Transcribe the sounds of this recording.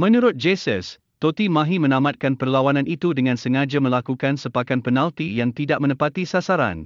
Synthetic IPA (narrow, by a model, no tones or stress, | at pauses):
mə̃nuɾʊt̪̚d͡ʒesəs | t̪ot̪imãɦimə̃nãmat̪̚kanpərlawanãnʔit̪udəŋãnsəŋad͡ʒamə̃lakukansəpakanpənãlt̪ijaŋt̪idaʔ̚mə̃nəpat̪isasaɾa̰n